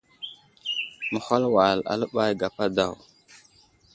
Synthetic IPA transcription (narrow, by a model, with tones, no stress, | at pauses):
mə˨xa˦lwa˨la̰˨lə˦ɓa˦jɡa˨pa˦da˦˨w